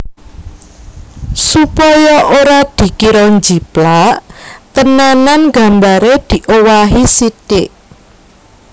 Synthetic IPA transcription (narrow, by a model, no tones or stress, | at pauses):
supɔjɔʔoɾad̪̥i̤kiɾɔnd͡ʒiplaʔt̪ənananɡä̤mbaɾed̪̥i̤ʔowaɦisit̪ɪʔ